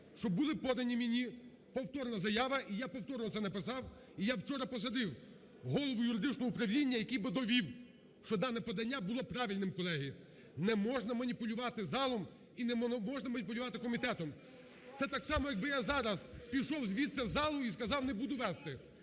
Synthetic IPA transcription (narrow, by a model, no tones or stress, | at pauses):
ʃt͡ʃɔbʊlˠɪpɔd̪ɐnʲimʲinʲi | pɔwt̪ɔrnɐzɐjaʋɐʔijapɔwt̪ɔɾnɔt̪sɛnɐpɪsɑw | ijawt͡ʃɔɾɐpɔsɐd̪ɪw | ɦɔlˠɔʋʊjʊɾɪd̪ɪt͡ʃnɔɦɔupɾɐwlʲinʲːɐjɐkijbɪd̪ɔʋʲiw | ʃt͡ʃɔd̪ɑnɛpɔd̪ɐnʲːabʊlˠɔpɾɑʋʲilʲnɪmkɔlˠɛɦiji | nɛmɔʒnɐmɐnʲipʊlʲʊʋɑt̪ɪzɑlˠɔm | inɛmɔʒnɐmɐnʲipʊlʲʊʋɑt̪ɪkɔmʲit̪ɛt̪ɔm | t̪sɛt̪ɑksɑmɔjɐɡ̚bɪjazɑɾɐzpʲiʃɔwzʋʲit̪sʲɐzɑlˠʊiskɐzɑwnebud̪ʊʋɛst̪ɪ